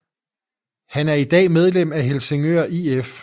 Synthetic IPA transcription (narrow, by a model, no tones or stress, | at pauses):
hænæɐid̥ɛ̰ːmeð̞ˠlem̰æɦe̝lse̝ŋø̰ɐʔief